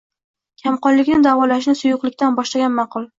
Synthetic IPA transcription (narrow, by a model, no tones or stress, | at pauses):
kʲʰamqɒnlɪkʲnɪd̪avɒlaʃ̬nɪsʊjʊqlˠɪkʲt̪anbɒʃlaɡʲanmɑqʰʊlˠ